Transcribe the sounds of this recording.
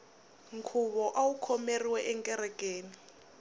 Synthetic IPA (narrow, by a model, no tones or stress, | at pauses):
ŋkʰuβɔʔawukʰɔmeriwɛʔɛŋkʼɛɾɛkʼeːni